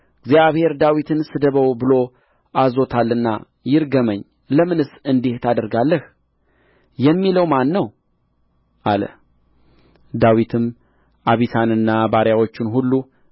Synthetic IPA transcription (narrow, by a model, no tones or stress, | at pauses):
ɨɡzjaβhe̞ɾd̪awit̪ʰɨnsɨd̪əβəwbɨlo̞ | ʔazo̞t̪ʰalːɨnːa̰ | jɪɾɡəməɲː | ləmɨnɨsɨnd̪eht̪ʰad̪əɾɡalːəh | jɛmːiləwmanːəw | ʔalə̰ | d̪awit̪ʰɨm | ʔaβit̪ʰanɨnːabaɾjawot͡ʃːɪnɦulːu